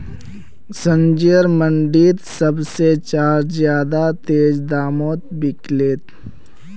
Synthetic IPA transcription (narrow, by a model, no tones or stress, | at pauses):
sə̃nd͡ʒijəɾmə̃ɳɖiːt̪səbset͡ʃaːɾzjaːd̪at̪eːd͡ʒd̪aːmɔːt̪̚bɪkleːt̪